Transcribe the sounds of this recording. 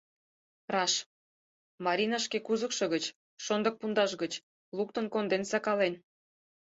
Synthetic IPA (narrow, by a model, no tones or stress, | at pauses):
rɑʃ | mɑɾʲinɑʃkekuzəkʃɤ̆ɣət͡ɕ | ʃond̪ə̆k̚pund̪ɑʃɣət͡ɕ | luk̚t̪ənkond̪ensɑkɑlen